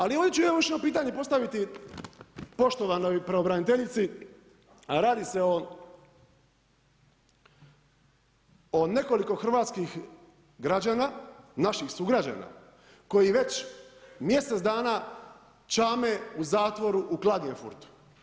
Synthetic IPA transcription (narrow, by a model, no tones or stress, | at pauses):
alio̞nit͡ɕuooʋit͡ʃno̞piːt̪̬aːɲepo̞st̪aʋit̪i | po̞ʃt̪o̞ʋanojpɾeobɾanit̪e̞ʎit̪si | ɾaːd̪iseo | one̞ko̞liko̞xr̩ʋaːt̪skix | ɡɾad͡ʑaːnanaʃixsuɡɾad͡ʑa̰ːna̰ | ko̞jiʋe̞t͡ʃmje̞set̪d̪aːna | t͡ʃaːme̞uzaːt̪ʋo̞ɾuʔuklˠad̪ɲefṵɾt̪u̥